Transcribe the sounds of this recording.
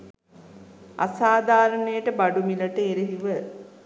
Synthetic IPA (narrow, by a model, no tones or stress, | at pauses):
a̰saːd̪ʱaːɾənəjəʈəbaɖumiləʈəeɾeɦiʋə